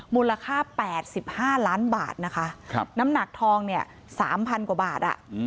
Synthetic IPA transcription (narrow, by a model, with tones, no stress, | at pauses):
muː˧la˧kʰaː˥˩pɛː˨˩t̪̚si˨˩p̚haː˥˩laː˦˥nba̰ː˨˩t̪̚na˦˥kʰa˦˥˧na˦˥mna˨˩k̚t̪ʰɔː˧ŋni˥˩ɐ | sa̰ː˩˦mpʰa˧nka˨˩baː˨˩t̪̚ʔa̰˨˩ʔ